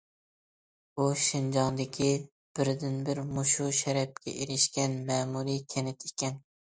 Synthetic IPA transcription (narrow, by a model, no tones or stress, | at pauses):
uʃɪnd͡ʒɑŋd̪ɪkʲʰi | b̥ɪɾd̪ɪnbɪɾmuʃuʃɛɾɛp̚kʲɛ̰ʔeɾɪʃkʲɛnmɛːmuɾikʲʰenɪt̪ʰikʲɛn